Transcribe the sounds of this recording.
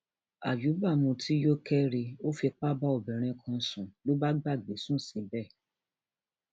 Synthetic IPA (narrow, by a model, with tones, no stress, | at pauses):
a̰˨ju˨˦ba˦˨mũ˧tʰi˦jo˦kɛ˦ɾi˧o˦fi˧k͡pa˦ba˦o˨bɛ˨ɾ̃ɛ̃˧kʰɔ̃˧sũ˨lo˨˦ba˦ɡ͡ba˦˨ɡ͡be˨˦sũ˦˨si˨˦bɛ˦˨